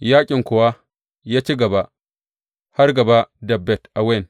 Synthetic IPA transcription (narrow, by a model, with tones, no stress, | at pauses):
jaː˦kʲʼɪ˨ŋkʊ˨wa˦ | ja˦t͡ʃi˦ɡɐ˨ba˦ | ha˦ɾɡɐ˨ba˦dɐ˨bːɛ˨tʔa˨we˦˨n